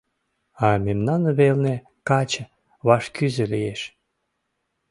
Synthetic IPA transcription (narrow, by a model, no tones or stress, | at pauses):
ɑmemnɑnβelne | kɑt͡ɕə | βɑʃkyzelijeʃ